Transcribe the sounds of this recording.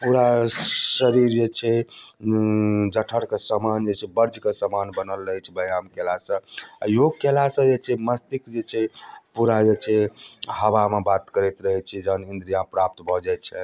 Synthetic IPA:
puɾasəɾiɾd͡ʒet͡ʃʰɛ | d͡ʒəʈʰəɽkesəmand͡ʒet͡ʃʰɛbəɾd͡ʒkesəmanbənəlːəɦjt͡ʃʰɛbəjamkelasə̃a̰joɡkelasə̃d͡ʒet͡ʃʰɛməst̪ikd͡ʒet͡ʃʰɛpuɾad͡ʒet͡ʃʰɛɦəʋamebat̪kəɾɛt̪ɾəɦɛt͡ʃʰɛd͡ʒəɦnind̪ɾijapɾap̚t̪bʱɔd͡ʒɛt͡ʃʰɛ

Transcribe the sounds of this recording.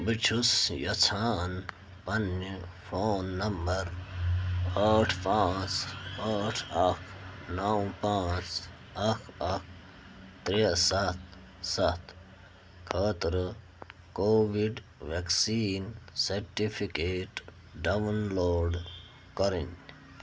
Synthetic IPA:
bit͡ʃʰusjɐt͡sʰaːn | pɐnfʰoːnːɐmbɐɾ | aːʈʰpaːt͡saːʈʰɐkʰnawpaːt͡s | ɐkʰɐk̚ʰ | t̪ɾesɐt̪̚ʰ | sɐt̪ʰ | kʰaːt̪ɾə | koːʋiɖʋeksiːnseɾʈipʰikeːʈ | ɖɐʋɐnloːɖ | kɐɾin

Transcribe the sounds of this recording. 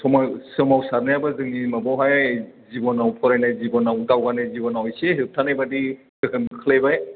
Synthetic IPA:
sɔmasɯmawsaɾnajabazɯŋimabɔwɦajzibɔnawpʰɔɾajnajzibɔnawdawɡanajzibɔnawɔjseɦɯtʰanajbadi | dɯkʰɯnɯkʰɯlajbaj

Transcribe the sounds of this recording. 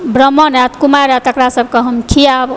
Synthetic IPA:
bɾʌmːʌnat̪kumaɾat̪əkɾasəb̚kʌɦʌmkʰijab

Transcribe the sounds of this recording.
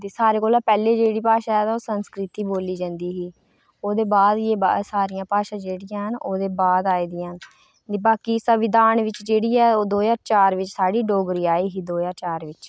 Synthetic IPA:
d̪iːsaːɾeːkoːlaːpɛːleːd͡ʒeːɽiːpaːʃaːɛːt̪aoːsənskɾɪt̪iːboːliːd͡ʒãːnd̪iːɦiː | oːd̪eːbaːd̪jeːba̰saːɾɪjãːpaːʃãːd͡ʒeːɽɪjãːɦənoːd̪eːbaːd̪aːiːd̪ijãɦən | d̪ibaːkiːsəʋɪd̪aːnʋɪt͡ʃd͡ʒeːɽiːɛːoːd̪oːjaːt͡ʃaːɾʋɪt͡ʃsaːɽiːɖoːɡɾiːaːiːɦiːd̪oːjaːt͡ʃaːɾʋɪt͡ʃ

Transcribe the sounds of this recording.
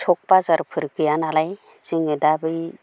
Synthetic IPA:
t͡ʃʰɔk̚pazaɾpʰɯɾkɯjanalaj | ziŋɯdabɯj

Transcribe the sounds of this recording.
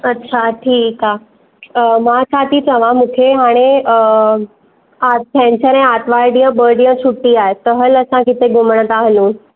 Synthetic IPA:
ətːɕʰaʈʰiːka | mat͡sʰat̪iːt͡səʋ̤ãmukʰeɦaɽ̃i | at̪̚t̪ʰɛ̃ɲt͡ɕəɾẽat̪ʋaɾɖijə̃bəɾɖĩjə̃suʈːiːaet̪əɦələsãkit̪eɡuməɳ̃ət̪aɦlũː

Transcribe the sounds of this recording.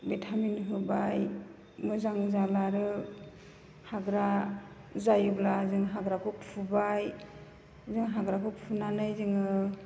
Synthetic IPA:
betʰaminɦɯbaj | mɯzaŋzalaɾɯ | haɡɾa | zajɯblazɯŋɦaɡɾakʰɔppʰubaj | zɯŋɦaɡɾakʰupʰunanɯjzɯŋɯ

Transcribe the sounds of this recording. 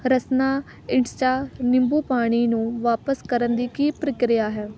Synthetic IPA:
ɾəsnaː | ɪɳst͡ʃaːnɪmbuːpaːɽ̃iːnũːʋaːpəskəɾənd̪iːkiːpɾəkɾɪjaːɦɛː

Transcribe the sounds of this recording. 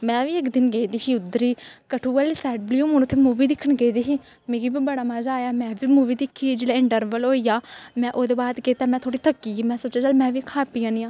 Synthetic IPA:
mɛ̃ːʋiːɪkd̪ɪnɡeːd̪iːɦiːʊd̪ɾiːkəʈʰuːəlːsɛːɖ̚bljuːmʊnːt̪ʰːeːmuːʋiːd̪ɪkʰːəɳɡeːid̪iːɦiː | meːɡiːʋiːbəɽaːmad͡ʒaːjaːmɛ̃ːʋiːmuːʋiːd̪ɪkʰːiːd͡ʒeːlaːɪɳʈəɾʋəloːiːjaːmɛ̃ːʔoːd̪eːbaːd̪keːt̪aːmɛ̃ːt̪ʰoːɽiːt̪ʰəkːiːiːmɛ̃ːsoːt͡ʃaːd͡ʒəːlmɛ̃ːʋiːkʰaːpiːãːniːãː

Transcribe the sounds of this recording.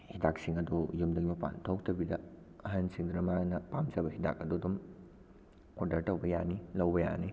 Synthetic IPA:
hidak̚siŋɐdujumdɐɡimɐpa̰ntʰɐwk̚tʰɐbidɐ | ɐɦansiŋd̪ɾɐmanɐpamzɐbɐɦida̰k̚ɐdudum | odɐɾtɐwbɐjanilɐwbɐja̰ni

